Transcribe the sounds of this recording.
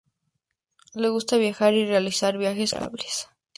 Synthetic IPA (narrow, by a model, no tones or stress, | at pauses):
lɛɡust̪ʰaβiaxaɾiɾɛalisaːɾviaxɛskʼa̰blis